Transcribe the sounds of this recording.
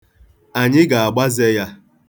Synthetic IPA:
a˨ɲɪ˦ɡa˨a˨ɡ͡ba˦ze˦ja˦

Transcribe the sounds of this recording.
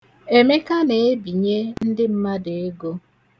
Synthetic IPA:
e˨me˦ka˦ne˨e˦bi˨ɲe˦n̩˦dɪ˦m̩˦ma˦de˨e˦ɡo˦

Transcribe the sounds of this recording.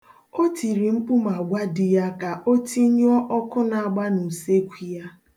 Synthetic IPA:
o˦ti˨ɾi˨m̩˦pu˦m˨a˨ɡʷa˦dɪ˨ja˦ka˨ʔo˦ti˦ɲ˦ɔ˦ʔɔ˦kʊ˦na˨a˨ɡ͡ba˦nu˨se˦kʷi˨ja˦

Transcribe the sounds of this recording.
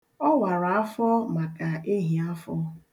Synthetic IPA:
ɔ˦wa˨ɾa˨a˦fɔ˦ma˨ka˨e˦ɦi˨a˦fɔ˦

